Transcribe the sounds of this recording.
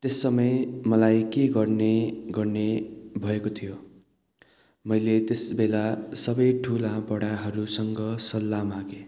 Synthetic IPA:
t̪esːʌmʌjmʌlajkeɡʌrneɡʌrnebʱʌekot̪ʰijo | mʌjlet̪esbelasʌbʌjʈʰulãbʌɽaɦʌɾusʌŋɡʌsʌlːamaɡe

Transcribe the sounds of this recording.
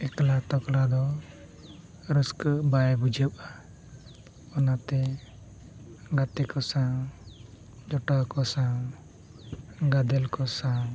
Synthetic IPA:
ɛklat̪ɔklad̪ɔ | ɾuskbajbud͡ʒʱəwa | ɔnat̪ɛ | ɡat̪ɛkɔsã | d͡ʒɔʈakɔsã | ɡad̪ɛlkɔsã

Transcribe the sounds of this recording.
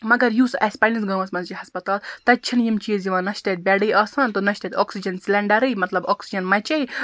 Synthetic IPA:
mɐɡɐɾjuːsʔɐsʲpɐlʲinsɡɐːʋɐsmɐnzt͡ʃihɐspɐt̪aːlt̪ɐt̚ʲt͡ʃʰinjimt͡ʃʰiːzjiʋãːnɐʃt̪ɐt̪̚bʲeɽiːʔɐːsɐnt̪onɐʃt̪ɐt̪oːksid͡ʒɐnsilʲɐɳɖɐɾɨjmɐt̪lɐboːksid͡ʒɐnmɐt͡ʃɐi

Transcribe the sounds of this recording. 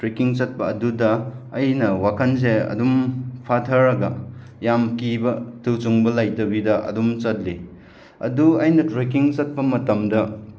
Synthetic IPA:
tɾekiŋt͡ʃɐt̚pɐɐdudɐːjnɐwakʰɐns̬eɐ̰dumpʰatʰɐɾːɐɡɐ | jamkibɐtʰuwt͡ʃuŋbɐlajtɐbidɐɐ̰dumt͡ʃɐt̚li | ɐ̰duɐjnɐtɾek̬iŋt͡ʃɐt̚pɐmɐtɐmdɐ

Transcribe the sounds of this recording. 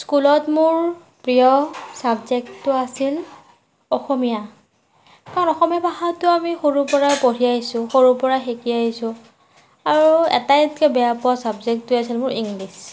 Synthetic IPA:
skulɔtmʊɹ | pɹijɔsabzek̚tːʊasil | ɔxomija | kaɹɔnɔxomijapaɦatʊamixoɹupɔɹajpoɹiaɦjsʊ̃xoɹupɔɹaxekiaɦisʊ̃ | aɹuɛ̰tajtkɛbɛjapɔasabzek̚tːʊasilmʊɹiŋɡlis

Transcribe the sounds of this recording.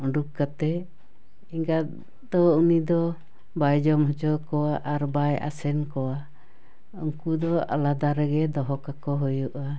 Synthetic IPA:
uɖuk̚kat̪ɛ | iŋɡa | d̪ɔunid̪ɔ | bajd͡ʒɔmɦɔt͡ʃɔkɔwaʔaɾbaja̰sɛnkɔwa | ɔŋkud̪ɔa̰lad̪aɾɛɡɛd̪ɔɦɔkakɔɦɔjuʔa

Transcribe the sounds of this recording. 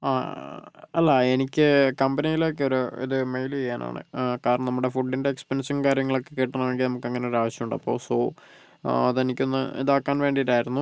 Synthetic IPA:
aː | ɐlːɐe̞nikʲːɨkɐmbɐnijilo̞kːeo̞ɾuḭðɨmejlejaːnʔa̰ːɳɨ̰kaːɾnɳɐnɐmːuɽefuɖːinde̞ːkspɐnʂɐnkaːɾjɐŋːɐɭo̞kːekːeːʈːɐnaːɳeŋɡilnɐmukːɐŋːɐne̞oɾaːʋɐɕjɐmuɳɖɐpːo̞̰ːsoː | ɐðenikʲːo̞nːɨ̰ḭðaːkːaːnʋe̞ːɳɖiiɾaːjiɾunːu

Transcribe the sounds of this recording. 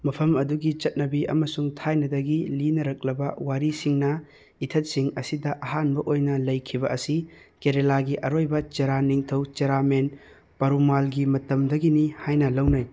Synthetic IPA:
mɐpʰɐmɐduɡit͡ʃɐt̚nɐbiɐ̰mɐsuŋtʰajnɐdɐɡilinɐɾɐk̚lɐbɐwaɾisiŋnɐ | itʰɐt̚siŋɐsidɐʔɐɦanbɐʔojnɐlɐjkʰibɐɐsi | keɾelaɡiʔɐɾojbɐt͡ʃeɾaniŋtʰɐwt͡ʃeɾamen | pɐɾumalɡimɐtɐmdɐɡinihajnɐlɐwnɐj

